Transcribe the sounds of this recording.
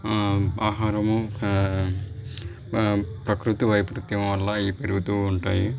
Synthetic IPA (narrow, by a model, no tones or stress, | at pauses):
aːɦaːɾɐmu | pɾɐkɾut̪iʋɐjpɾut̪jɐmʋɐlːɐiːpeɾuɡut̪uːɳʈaːji